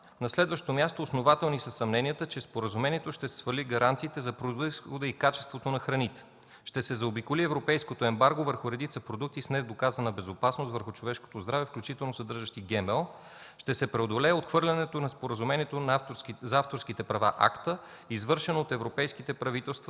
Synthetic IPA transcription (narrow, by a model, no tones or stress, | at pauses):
nɐslɛd̪vəʃt̪omʲjast̪oːsnovat̪ɛlˠnisəsːɐmnɛnʲijət̪ət͡ʃɛspoɾəzumɛnʲiɛt̪oʃt̪ɛsɛ̥svəɾliɡɐɾant̪siːt̪ɛzɐpɾoisxod̪əikat͡ʃɛ̥st̪vot̪onɐxɾɐnit̪ɛ̥ | ʃt̪ɛsɛzɐobikoliɛvɾopɛjskot̪oɛmbaɾɡovəɾxʊɾɛd̪it̪səpɾod̪ukt̪isnɛzd̪okazənɐbɛzopasnost̪vəɾxʊt͡ʃovɛʃko̥t̪ozd̪ɾavɛfklʲut͡ʃit̪ɛlˠnosɐd̪ɤɾʒəʃt̪iɡɛmɛlˠ | ʃt̪ɛsɛpɾɛod̪olɛːot̪xvɤɾlʲɐnɛt̪onɐspoɾəzumɛniɛt̪onzaft̪oɾskit̪ɛpɾɐva̰ʔa̰kt̪ə | izvɤɾʃɛnoːt̪ɛvɾopɛjsk̟it̪ɛpɾɐvit̪ɛlˠst̪vɐ